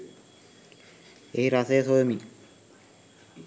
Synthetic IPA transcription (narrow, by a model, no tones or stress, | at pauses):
ehiɾaseːsomi